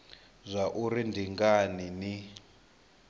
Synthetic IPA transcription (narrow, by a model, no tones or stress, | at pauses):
zʷaʔurindiŋɡanini